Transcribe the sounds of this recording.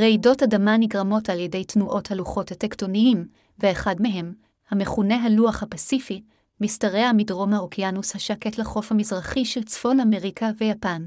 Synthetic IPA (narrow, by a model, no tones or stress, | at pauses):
ʁeido̞tadamaniɡʁamo̞taljede̞jtnuʔo̞thaluχo̞thatekto̞niim | veːχadmeɦe̞m | hame̞χune̞ɦaluaχhapasifi | mistaʁe̞amidʁo̞mhaokianushaʃake̞tleχo̞fhamizʁaχiʃelt͡sfo̞lame̞ʁikʰave̞japan